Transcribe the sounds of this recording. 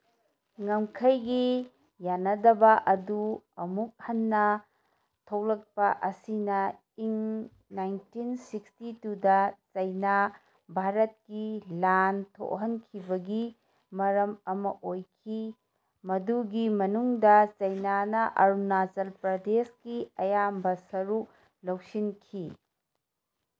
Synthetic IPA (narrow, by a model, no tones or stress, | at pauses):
ŋɐmkʰɐjɡi | janːɐdɐbɐʔɐduɐmuk̚hɐnːɐ | tʰɐwlɐk̚pɐʔɐsinɐ | iŋ | najntinsikstitudɐt͡ʃɐjna | bʱaɾɐt̚kilantʰo̰ʔɦɐnkʰibɐɡi | mɐɾɐmɐmɐʔojkʰi | mɐduɡimɐnuŋdɐt͡ʃɐjnanɐʔɐɾunat͡ʃɐlpɾɐdeskiɐjambɐsɐɾuk̚ | lɐw̚sinkʰi